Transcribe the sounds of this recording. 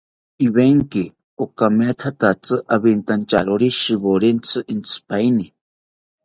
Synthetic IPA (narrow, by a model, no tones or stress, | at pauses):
iβeŋki | okamet̪ʰat̪at͡sɨʔaβint̪ant͡ʃaɾoɾiʃiβoɾint͡sʰɨʔint͡sʰɨ̥paini